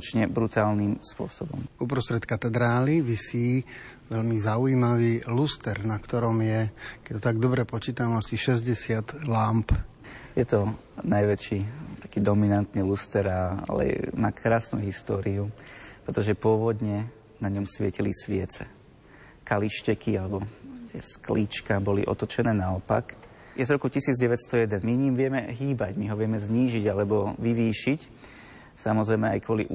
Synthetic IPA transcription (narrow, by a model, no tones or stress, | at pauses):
t͡ʃɲɛbɾut̪aːlnimspʊɔsɔbɔ̰mupɾɔst̪ɾɛt̪kat̪ɛd̪ɾaːliʋisiːʋɛlmizaujiːmaʋiːlust̪ɛɾnakt̪ɔɾɔmjɛkɛct̪ɔt̪aɡ̚d̪ɔbɾɛpɔt͡ʃiːt̪amasiʃɛzɟɛsɪat̪lamp | jɛt̪ɔ | najʋɛt͡ʃiːt̪ḁkiːd̪ɔminant̪nilust̪ɛɾalɛ̰maːkʰɾaːsnṵɦist̪ɔːɾiupɾɛt̪ɔʒɛpʊɔʋɔd̪ɲɛ | naɲɔmsʋɪɛcilisʋɪɛt͡sɛ | kaliʃcɛkialɛbɔt̪ɪɛskliːt͡ʃkabɔlḭʔɔ̰t̪ɔt͡ʃɛnɛːnaɔpa̰k | jɛzɾɔkucisiːd͡zɟɛʋɛt̪st̪ɔjɛd̪ɛnmiɲimʋɪɛmɛɦiːbaɟmiɦɔʋɪɛmɛzɲiːʒiɟalɛbɔʋiʋiːʃic | samɔzɾɛɪmɛa̰jkʊɔlḭʔ